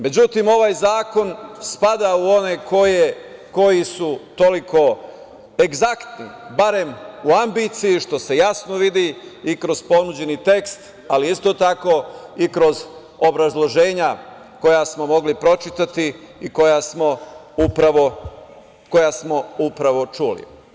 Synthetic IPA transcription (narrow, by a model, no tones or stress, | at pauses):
me̞d͡ʑut̪imo̞ʋaːjzaːko̞nspad̪auo̞ne̞kʰo̞je | ko̞jisut̪o̞likʰo̞ | e̞ɡzakt̪nḭbaɾe̞muambit̪sijiʃt̪o̞se̞jasno̞ʋid̪iikɾo̞z̥po̞nud͡ʑe̞nit̪e̞kst̪ | aliist̪o̞t̪ako̞ikɾo̞z | obɾazlˠo̞ʒe̞ːɲa | ko̞jasmo̞mo̞ɡlipɾo̞t͡ʃit̪at̪i | iko̞jasmo̞ | upɾaʋo | ko̞jasmo̞upɾaʋo̞t͡ʃulḭ